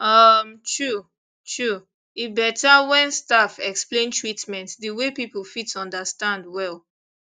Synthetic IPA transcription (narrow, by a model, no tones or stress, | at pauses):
ʌmtʰɹu | tʰɹu | ibɛtawɛ̃nstafɛksplẽntʰɹitmɛ̃ntdəwepipl̩ˠfitɔ̃ndəstãndwɛl